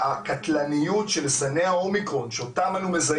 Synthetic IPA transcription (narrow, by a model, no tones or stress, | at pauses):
akatlanijutʃelsaneaomikʁo̞nʃeotamanumeza